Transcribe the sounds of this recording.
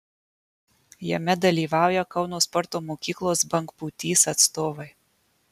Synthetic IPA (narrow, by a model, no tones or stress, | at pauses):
jɛ̰mʲɛd̪ɐlʲiːʋɑˑʊjɛkɐʊnoːspɔɾt̪oːmoːkʲiːklˠoːsbɐŋkpuːt̪ʲiːsɐt̪st̪oːʋɐɪ